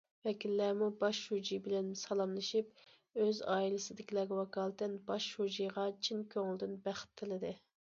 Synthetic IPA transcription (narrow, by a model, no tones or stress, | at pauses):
vɛkʲilːæɾmubɑʃhud͡ʒijbɪlɛnsɑlˠɑmlˠɨʃip | øzɑ̰ːilɪsɪd̪ɪkʲilɛɡʲɛwɑkɑːlˠt̪ɛnbɑʃhud͡ʒijʁɑt͡ʃʰinkʲʰøŋɪlˠd̪ɪnbæχɪ̥t̪ʰːɪlˠɨd̪ɨ